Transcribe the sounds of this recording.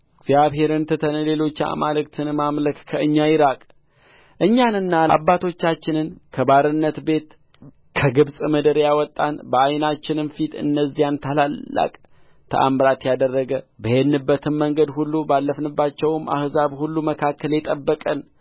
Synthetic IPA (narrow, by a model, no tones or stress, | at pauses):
ɡzjaβɦe̞ɾɨnt̪ʰɨt̪ʰənəle̞lo̞t͡ʃːa̰malɨkt̪ʰɨnmamləkkʰəɨɲːajɪɾakʼ | ʔɨɲːanɨnːaa̰bːat̪ʰo̞t͡ʃːat͡ʃːɪnɨnkʰəbaɾɨnːət̪be̞t̪ | kʰəɡɨβsʼməd̪əɾjawɔt̪ʼːanbəajnat͡ʃːɪnɨnfit̪ɨ̰nːəzːijant̪ʰəlalːa̰kʼ | t̪ʰə̰ʔa̰mɾat̪jad̪ərːəɡəbəjed̪nɨbːət̪ʰɨnməŋɡəd̪hulːubalːəfnɨbːat͡ʃːɛwma̰hzaβhulːuməkʰakːəljɛt̪ʼəbːəkʼən